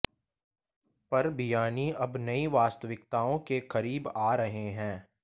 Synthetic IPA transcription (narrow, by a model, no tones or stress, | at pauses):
pɐɾbijaːniɐbnɐiʋaːst̪əʋɪk̚t̪aːõkekɐɾiːbaːɾɐɦeɦɛ̃ː